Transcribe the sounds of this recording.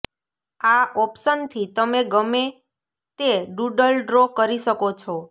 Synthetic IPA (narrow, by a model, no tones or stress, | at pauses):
aɔpʃənt̪ʰit̪əmeɡəme | t̪eɖuɖəlɖɾokəɾiʃəkot͡ʃʰo